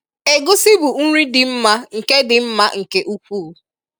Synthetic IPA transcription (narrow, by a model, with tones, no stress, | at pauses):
e˨ɡʊ˦sɪ˦bu˨ŋ̩˦ɾi˦dɪ˨m̩˦ma˦ŋ̩˨ke˦dɪ˨m̩˦ma˦ŋ̩˨ke˦ʔu˦kʷu˦˨˦